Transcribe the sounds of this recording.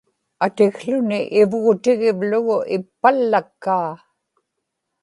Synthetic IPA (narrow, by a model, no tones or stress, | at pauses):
at̪ɪɣɬʊnɪʔɪvɣʊt̪ɪɣɪvlʊɣʊʔɪpːalːakːaː